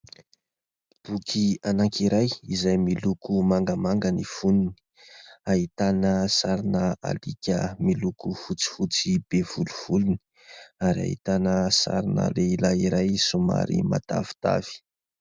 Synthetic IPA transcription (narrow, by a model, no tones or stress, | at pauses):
b̥ukʰianaŋkiɾajizajmilukʰumaŋɡəmaŋɡənifunini̥ | ait̪anəsaɾinəa̰likʲəmilukufut͡si̥fut͡sib̥ev̥uluv̥uluni̥ | aɾia̰ɦḭt̪anəsa̰ɾinə̰leilaiɾajsuma̰ɾḭma̰t̪a̰vi̥t̪a̰v̥i̥